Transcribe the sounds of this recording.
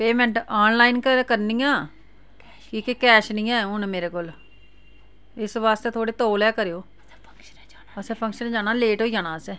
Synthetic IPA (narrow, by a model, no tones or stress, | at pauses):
peːmɛ̃ːɳʈaːnlaːɪnkəkəɾniːjãː | kiːkekɛːʃnĩːãːũːnːmeːɾeːkoːl | ɪsʋaːst̪eːt̪ʰoːɽeːt̪oːlɛːkəɾejoː | əsɛːpʰəŋkʃənd͡ʒaːnaːleːʈoːiːd͡ʒaːnaːəsɛː